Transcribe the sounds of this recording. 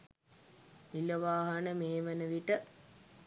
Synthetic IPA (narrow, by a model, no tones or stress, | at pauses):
nilɐʋaːɦɐnəmeːmɐnəʋiʈə